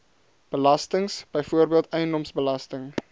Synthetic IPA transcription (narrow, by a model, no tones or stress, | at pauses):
b̥əlɐstəŋsb̥əjfuərbiəlˠtɛjəndɔmsbəlɐstəŋ